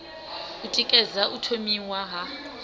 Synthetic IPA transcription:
utʼikʼɛzaʔutʰomiwaɦa

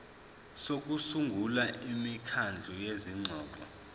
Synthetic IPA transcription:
sok̬ʼusuŋɡʱulaʔimikʰand͡ɮʱujeziŋ͡ǀʱɔːǃɔ̰

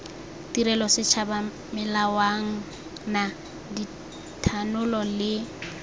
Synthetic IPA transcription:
tiɾɛlɔsɪt͡ʃʰaba | mɪlawaŋ̩ | na | di | tʰanʊlɔlɪ

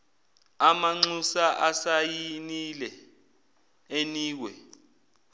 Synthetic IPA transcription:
amaŋ͡ǀusaʔasajinilɛ | eniːk̬wɛ

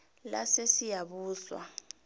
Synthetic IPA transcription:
lasesijaɓuːswa̰

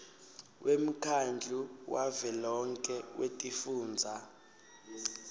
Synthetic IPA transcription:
wʔem̩kʰand͡ɮʱuwʔavɛlɔŋkʼɛwʔetʼifuːnd͡zʱa

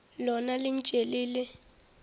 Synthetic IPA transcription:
lɔnalint͡ʃʼeliːlɛ

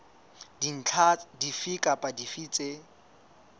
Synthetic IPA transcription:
din̩t͡ɬʰadifikʼapʼadifiːt͡sʼe

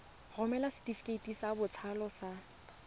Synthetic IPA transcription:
rʊmɛlasɪ̥tʼifi̥kʼetʼisːbʊt͡sʰalɔsa

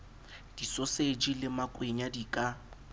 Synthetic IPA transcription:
d̥isɔsed͡ʒilɪmakʼweɲadikʼa

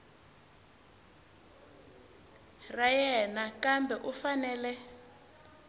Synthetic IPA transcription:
rajɛnakambɛʔufanɛːlɛ

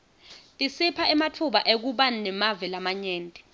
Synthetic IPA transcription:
tʼisipʰaɛmatʰuɓaʔek̬uɓannɛmavɛlamaɲɛːntʼɛ̥

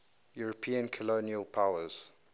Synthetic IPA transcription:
juɹəpʰĩːə̃nkʰəloːniəlˠpʰaʊəz̥

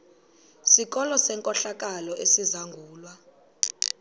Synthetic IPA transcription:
sik̬ɔlɔsɛŋkʼɔɬak̬ʼalɔʔesizaŋɡʱuːlwa

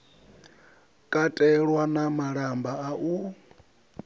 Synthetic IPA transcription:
kʼatʼɛɺwanamaɺambaaʔu

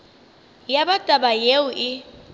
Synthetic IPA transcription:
jabatʼabajeʊʔɪ

